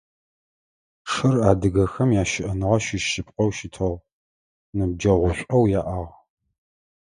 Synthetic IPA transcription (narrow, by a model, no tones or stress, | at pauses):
ʂɨraːdɨɣɐxɐmjaːʃɪʔɐnɨʁɐʃɪʃɪpqʼɐwʃɪtʰɐʁ | nɨb̚d͡ʒɐʁʷʊɕʷʼɐwjaːʔaːʁ